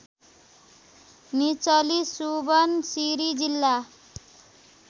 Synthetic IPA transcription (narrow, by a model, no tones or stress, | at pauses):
nit͡sʌlisubʌnsiɾid͡zilːa